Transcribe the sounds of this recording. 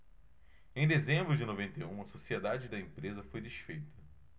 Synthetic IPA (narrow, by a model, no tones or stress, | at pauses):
ẽj̃d̪ezẽmbɾʊd͡ʒɪnovẽnt̪ejũɐsosied̪ad͡ʒɪd̪ɐẽpɾezɐfojd̪ɪʃfejt̪ɐ